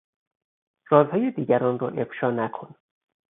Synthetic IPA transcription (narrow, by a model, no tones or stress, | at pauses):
rɒːzhɒːjed̪iːɟæɾɒːnro̰ʔefʃɒːnækʰo̞n